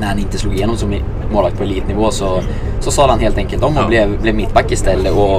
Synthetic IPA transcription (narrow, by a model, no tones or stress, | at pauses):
næɾhɑnɪnt̪əsluːɡːɪjeːnːɔmsɔm | moːlɑkt̪pʰɔɛnliːt̪ənɪʋoːsɔ | sɔsɑːd̪hɑnɦeːlt̪ɛŋkəlt̪ɔmːɔblɛblɛmɪt̪ːbɑkːɪst̪ɛlːəʔɔ